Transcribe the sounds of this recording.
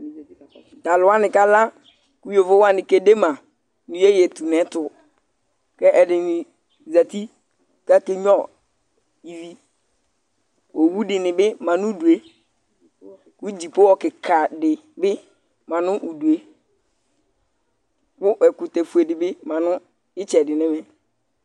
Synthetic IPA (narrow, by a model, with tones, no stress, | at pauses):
ta˨lʊ˨˦a˦nɪ̃˨ka˦la˦ | kʊ˦jo˨vo˦wa˦nɪ˨ke˨de˦mã˨ | nʊ̃˨je˦jɛ˨tu˨nɛ̃˦tʊ˨ | kɛ˦ʔɛ˨dɪ˨nɪ̃˨ | za˨t̪i˦ | ka˦ke˦ɲ˦ɔ˦˨ | i˨vi˦ | wɔ˨wu˦dɪ˨nɪ̃˨bɪ˦mã˨nʊ̃˦du˨e˦ | kʊ˦d͡ʑi˨po˦wɔ˨kɪ˨kʰa˨dɪ˨ | bɪ˦ | mã˨nʊ̃˦ʔu˨du˨e˦ | kʊ˦ʔɛ˨kʊ˨te˨fu˨e˨dɪ˨bɪ˦mã˨nʊ̃˦ | ɪ˦t͡ʃɛ˨dɪ˨nɛ̃˦mɛ̃˨